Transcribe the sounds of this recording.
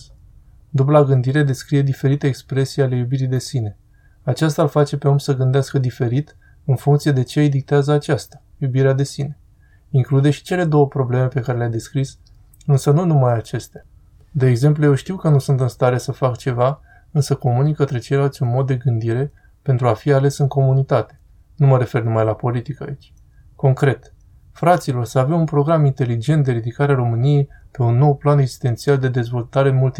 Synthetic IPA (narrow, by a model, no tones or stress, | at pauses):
d̪ublaɡɨnd̪iɾe̞d̪e̞skɾije̞d̪ife̞ɾit̪e̞ːkspɾe̞sijale̞jubiɾid̪e̞sine̞ | at͡ʃast̪alfat͡ʃe̞pe̞omsəɡɨnd̪easkəd̪ife̞ɾit̪ | ɨnfuŋkt̪sije̞d̪e̞t͡ʃejd̪ik̚t̪eazəat͡ʃast̪ḁ | jubiɾead̪e̞sine̞ | iŋklud̪e̞ʃi̥t͡ʃe̞le̞d̪o̞wəpɾo̞ble̞me̞pe̞kaɾe̞lʲeajd̪e̞skɾis | ɨnsənunumajat͡ʃe̞st̪ea | d̪e̞ːɡze̞mp̬lujewʃt̪iwkənusunt̪ɨnst̪aɾe̞səfakt͡ʃe̞va | ɨnsəko̞munikːət̪ɾe̞t͡ʃe̞jlalt̪sʲunmo̞d̪̚d̪e̞ɡɨnd̪iɾe̞ | pent̪ɾuafiale̞sɨŋko̞munit̪at̪e̞̥ | numəɾe̞fe̞rnumajlapo̞lit̪ikəa̰it͡ʃʲ | ko̞ŋkɾe̞t̪ | fɾat̪silo̞rsəavemunpɾo̞ɡɾamint̪e̞lid͡ʒe̞nt̪̚d̪e̞ɾid̪ikaɾeaɾo̞mɨnije̞jpe̞unːo̞wplaneɡz̥i̥st̪e̞nt̪siald̪e̞d̪e̞zvo̞lt̪aɾenmult̪